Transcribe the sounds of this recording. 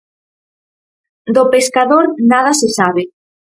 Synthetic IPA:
d̪opeskaðoɾnað̞asesaβe

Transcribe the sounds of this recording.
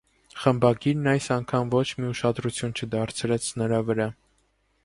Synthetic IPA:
χəmbɑɡiɾnɑjsɑŋkʰɑmvɔt͡ʃʰmiuʃɑd̪ɾut͡sʰjunt͡ʃʰəd̪ɑɾt͡sʰɾɛt͡sʰnəɾɑvəɾɑ

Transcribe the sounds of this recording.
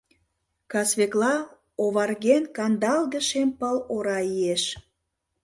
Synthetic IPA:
kɑsβeklɑ | oβɑrɣenkɑnd̪ɑld̪ə̆ʃempəloɾɑieʃ

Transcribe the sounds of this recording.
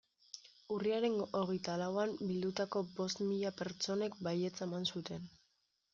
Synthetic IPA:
uriaɾe̞no̞ɣ̞e̞jt̪alawambild̪ut̪ako̞bo̞st̪miʎape̞ɾt͡ʃo̞ne̞kbaje̞t͡samansut̪e̞n

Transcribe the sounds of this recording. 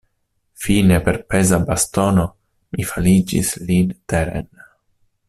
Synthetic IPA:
finepe̞ɾpezabast̪o̞no | mifalid͡ʒḭslint̪eɾḛn

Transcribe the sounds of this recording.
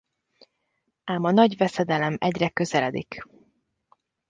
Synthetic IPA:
aːmɒnɒɟvɛsɛd̪ɛlɛmɛɟrɛkø̞zɛlɛd̪ḭk

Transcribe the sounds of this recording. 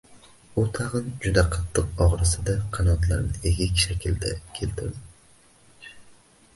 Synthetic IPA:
ʊt̪ʰɑʁɨnd͡ʒʊd̪aqʰɑt̪ʰːɨqɒʁɾɪsɪd̪aqʰɑnɒt̪lˠa̰ɾnɪeɡʲɪkʲʃakʲɪld̪a̰kʲʰe̞lt̪ʰɪ̰ɾd̪ɪ

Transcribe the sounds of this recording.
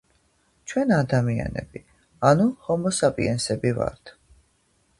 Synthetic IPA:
t͡ʃʰwɛnad̪amia̰nɛ̰bi | anuhɔmɔsapʼḭɛnsɛbiva̰ɾt̪ʰ

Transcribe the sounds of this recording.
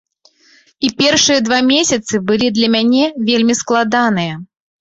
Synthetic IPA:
ipʲɛrʂɨjɐd̪vamʲesʲɐt̪sɨbɨlʲid̪lʲɐmʲanʲɛvʲelʲmʲisklˠad̪anɨjɐ

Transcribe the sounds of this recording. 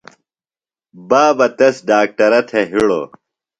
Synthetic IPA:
baːbɐt̪ɐsɖaːk̚ʈɐɾɐt̪ʰeɦiɽo̰ː

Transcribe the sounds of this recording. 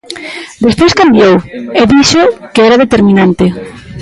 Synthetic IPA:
d̪espojskambjoweðiʃokeɛɾaðet̪eɾmĩnãnt̪e

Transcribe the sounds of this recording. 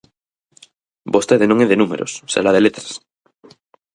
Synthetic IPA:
bost̪eðenõŋeðenumḛɾʔo̰sːḛlaðelet̪ɾḁs

